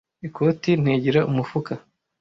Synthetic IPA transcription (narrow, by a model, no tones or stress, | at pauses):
ikʰo̞ːtin̥hiɟiɾaʔumufuka